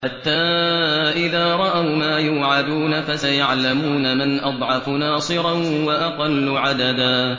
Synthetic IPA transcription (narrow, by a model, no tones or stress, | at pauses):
ħat̪ːaːʔɪðaːɾˤɑʔawmaːjuːʕad̪uːnafasajaʕlamuːnamɪnʔɑd̪ˤʕɑfʊnɑːsˤɨɾˤɑnwɑʔɑqɑlːʊʕad̪ad̪aː